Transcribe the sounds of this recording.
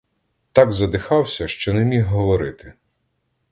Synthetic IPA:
t̪ɑɡzɐd̪ɪxɑwsʲɐʃt͡ʃɔnɛmʲiɦɦɔʋɔɾɪt̪ɪ̥

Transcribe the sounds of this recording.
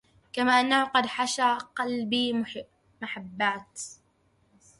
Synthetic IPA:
kamaːʔanːahʊqɑd̪ħaʃaːqɑlbiː | maħabːaːt̪

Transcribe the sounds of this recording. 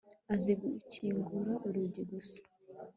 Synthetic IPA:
aziɡuicʰiŋɡuɾoʔuɾuɟiɡusḁ

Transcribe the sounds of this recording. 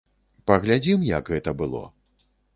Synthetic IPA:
pɐɣlʲad͡zʲimjɐɡɣɛt̪ɐbɨlˠɔ̰

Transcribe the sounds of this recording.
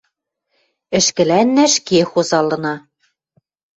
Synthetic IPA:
ɘ̆ʃkɘ̆lænːæʃkexozɑlɤ̆nɑ

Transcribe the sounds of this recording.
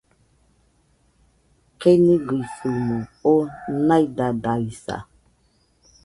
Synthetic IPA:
keniɡifunuonajdadaɾisa̰

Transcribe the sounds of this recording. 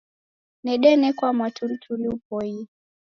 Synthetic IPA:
nɛɗɛnɛkwamwatul̩tʰuliupɔi

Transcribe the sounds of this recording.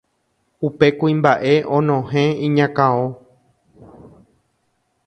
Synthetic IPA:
upe̞kuĩmbaʔe̞ʔõnõɦẽĩɲãkãõ

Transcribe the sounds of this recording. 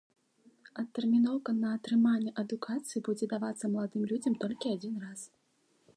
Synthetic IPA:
ɐt̪ːɛrmʲinɔwkɐnɐːt̪ɾɨmanʲːɛʔɐd̪ukʰat̪sɨjibud͡zʲɛd̪avat̪sːɐmlˠad̪ɨmlʲud͡zʲɐmt̪ɔlʲkʲiad͡zʲinras

